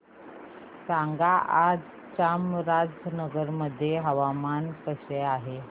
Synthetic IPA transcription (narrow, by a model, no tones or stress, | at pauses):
saŋɡaʔad͡z | t͡ɕamɾad͡znəɡəɾməd̪ʱːjeɦəʋamankəɕeaɦe